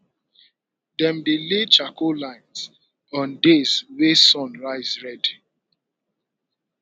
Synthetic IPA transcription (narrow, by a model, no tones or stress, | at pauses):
dɛ̃mbilet͡ʃakʰolãɪ̃ns | ɔ̃ndezwesɔ̃nɹaɪzɹɛdi